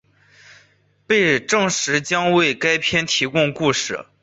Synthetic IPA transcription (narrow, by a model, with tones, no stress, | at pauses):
pe˥˧ɪʈ͡ʂɤ˥˩ŋʂɻ̩˧˥t͡ɕjɑ˥ŋwe˥˩ɪka˥ɪpʰjɛ˥nt̪ʰi˧˥kʊ˥˧ŋku˥˧ʂɻ̩˥˩